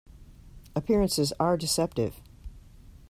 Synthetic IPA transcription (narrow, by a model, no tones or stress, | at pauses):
əpʰɪɹɨ̃nsɨzə˞dɨsɛp̚tɪ̰v̥